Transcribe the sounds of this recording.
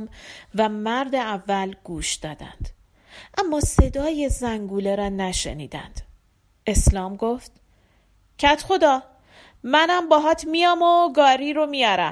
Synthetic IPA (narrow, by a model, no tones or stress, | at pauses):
mvæmæɾd̪e̞ævːælɡ̥uːʃd̪̥ɒːd̪æ̰nd̪̥ | ʔæmːɒːse̞d̪ɒːje̞zæŋɡuːleɾɒːnæʃḛnḭːd̪æ̰nd̪̥ | e̞slɒːmɡoft̪ | cʰæt̪ʰxo̞d̪ɒː | mænæmbɒːɦɒːt̪ʰmijɒːmoɡɒːɾiːɾomijɒːɾæ̰m